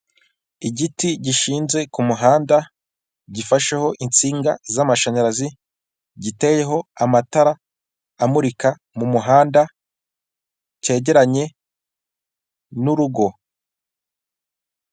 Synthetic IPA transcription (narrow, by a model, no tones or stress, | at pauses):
iɟitiɟiʃiːnze̞kumuɦaːnda | ɟifaʃe̞ho̞ʔint͡siːŋɡa̰zamaʃaɲaɾazi | ɟite̞je̞ɦo̞amataɾaː | muɾika | mumuɦaːnda | ce̞ːɟe̞ɾaɲe̞ | nuɾuɡo̞